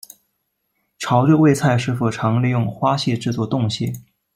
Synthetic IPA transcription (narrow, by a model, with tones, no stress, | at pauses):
ʈ͡ʂʰɑ˧˥ʊʈ͡ʂwwe˥˧ɪt͡sʰa˥˧ɪʂɻ̩˥˩fu˥˩ʈ͡ʂʰɑ˧˥ŋli˥˧jʊ˥˩ŋxwa˥ɕjɛ˥˧ʈ͡ʂɻ̩˥˧t͡swɔ˥˧t̪ʊ˥˧ŋɕjɛ˥˩